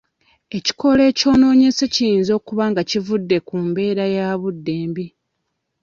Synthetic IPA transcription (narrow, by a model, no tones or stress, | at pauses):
e̞ci̥ko̞le̞ːco̞ːno̞ːɲe̞se̞cijiːnzo̞ːkuβaŋɡacivudːe̞kuːmbe̞ːɾajaːβudːe̞ːmbi